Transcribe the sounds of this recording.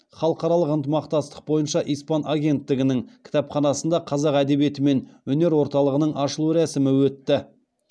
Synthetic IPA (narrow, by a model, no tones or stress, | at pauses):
χɑlˠəqɑɾɑlˠəqənt̪əmɑqt̪ɑst̪ə̥q̚bo̞jənʃɑʔijspɑnʔaɡʲe̞nt̪ːɪɡʲɪnɪŋkʲʰɪ̥t̪ɑpχɑnɑsənd̪ɑqʰɑzɑqæd̪e̞βije̞t̪ɪme̞nwɵne̞ɾwo̞ɾt̪ɑlˠəʁənəɴʔɑʃəlˠuɾæsɪmɪwɵt̪ːɪ